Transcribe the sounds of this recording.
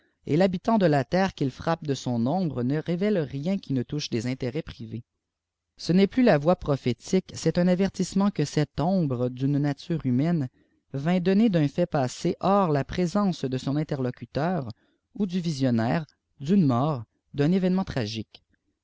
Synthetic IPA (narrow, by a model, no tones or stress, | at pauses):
ḛlabit̪ɑ̃d̪əlat̪ɛːʁkʲilfχap̚d̪əsɔ̃nɔ̃bʁənəʁevɛlʁjɛ̃kʲinət̪uʃd̪ezɛ̃t̪eʁɛpχive | sənɛplylavwapχɔfet̪ʰiksɛt̪ɛ̃navɛʁt̪ismɑ̃kəsɛt̪ɔ̃bʁəd̪ynːat̪yːʁymɛn | vɛ̃d̪ɔned̪œ̃fɛpaːseʔɔʁlapχezɑ̃sd̪əsɔ̃nɛ̃t̪ɛʁlɔkʲyt̪œːʁ | ud̪yvizjɔnɛːʁ | d̪ynmɔːʁ | d̪ɛ̃nevɛnmɑ̃t̪χaʒik